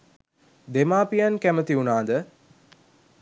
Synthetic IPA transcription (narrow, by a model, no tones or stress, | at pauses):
d̪emaːpijankæmət̪iunaːd̪ə